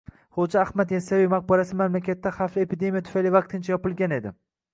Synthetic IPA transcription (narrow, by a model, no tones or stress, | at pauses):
χod͡ʒaːhmat̪jasavijmaq̚bɒɾasɪmamlakʲʰat̪ːaχaflɪepʰid̪e̞mijat̪ʰʊ̥fajlɪvɑq̚t̪ʰɪnt͡ʃʰajɒpɪlˠɡʲane̞d̪ɪ̰